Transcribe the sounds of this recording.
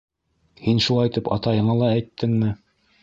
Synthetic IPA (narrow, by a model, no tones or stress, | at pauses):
hinʃulˠɑjt̪ɤpɑ̰t̪ɑjɤ̆ɴɑlˠɑæjt̪ːɘŋmɘ